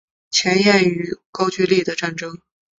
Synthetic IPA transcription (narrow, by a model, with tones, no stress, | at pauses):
t͡ɕʰjɛ˧˥njɛ˥˩ny˧˥kɑ˥ʊt͡ɕy˥˧li˥˩d̪ə˩ʈ͡ʂa˥˩nʈ͡ʂɤ˥ŋ